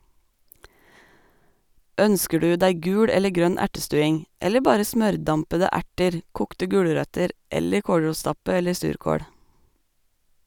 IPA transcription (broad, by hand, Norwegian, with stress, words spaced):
ˈœnskə ˈɖʉː ˈdæɪ ˈɡʉːɽ ˈɛlə ˈɡɾœn ˈæʈəˌstʉːɪŋ ˈɛlə ˈbɑːɾə ˈsmœɾˌdɑmpədə ˈæʈəɾ ˈkuːktə ˈɡʉːɽəɾœtəɾ ˈɛlə ˈkoːɽɹuːˌstɑpə ˈɛləɾ ˈsʉːɾkoːɽ